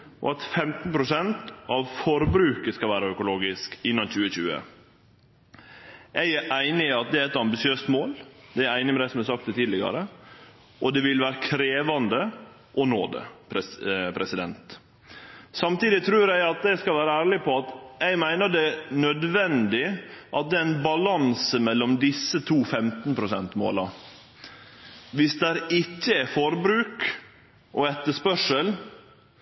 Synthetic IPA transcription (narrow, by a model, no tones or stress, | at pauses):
ʔɔ̰ɑt̪fɛmt̪n̩pʰɾʊsɛnt̪ʔɑʋfɔɾbɾʉːkəskɑlʋæːɾəœkʊloːɡɪskɪnːɑnc͡çʉːəçʉːə̰ | æɪæʔæɪnɪɑt̪̚d̪ɛæɾɛt̪ɑmbɪsɪøːst̪moːld̪ɛæɾæɪnɪmɛd̪æɪsɔmæsɑk̚t̪d̪ɛt̪ʰiːd̪lɪɡɑ̰ɾə | ʔɔd̪ɛʋɪlʋæːɾəkʰɾeːʋɑnd̪ə | ʔɔno̰ːd̪ə̰pʰɾɛpʰɾɛsɪd̪ɛnt̪ | sɑmt̪iːd̪ɪt̪ʰɾʉːɾjæɪɑt̪̚d̪ɛskɑlʋæːɾəæːɭɪpʰɔɑt̪æɪmæɪnəɖɛnœd̪ʋɛnd̪ɪʔɑt̪̚d̪ɛːæɪnbɑlɑnsəmɛlːɔmd̪ɪsːət̪ʰuːfɛmt̪npʰɾʊsɛnt̪mo̰ːlɑ | ʋɪsd̪ɛæːɾɪcːəɛfɔɾbɾʉːk | ʔɔɛt̪ːəʂpœʂəl